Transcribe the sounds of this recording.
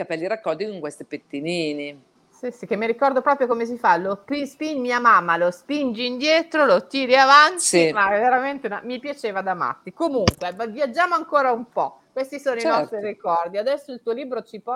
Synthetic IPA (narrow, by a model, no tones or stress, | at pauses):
ikapɛlːiɾakːɔld̪ikoŋkwest̪ipet̪ːiniːni | sisik̟emːiɾikɔrd̪opɾɔːpɾjokomes̬ifalopispinmiamamːalospind͡ʒiːnd̪jɛːt̪ɾolot̪iːɾiavant̪imaɛvːeɾament̪ema̰mipjat͡ʃeːvad̪ama̰t̪ːikomuŋkwevavjad͡ʒːaːmoaŋkoːɾaumpɔ̰kwest̪isoːnoinɔst̪ɾirikɔrd̪iad̪ɛsːoilt̪uːoliːbɾot͡ʃipɔ